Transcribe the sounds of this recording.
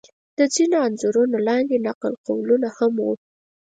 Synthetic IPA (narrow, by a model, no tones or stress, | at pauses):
d̪̥əd͡zinoanzʊɾunolɑnɡ̪enaqəlqowlunahamwu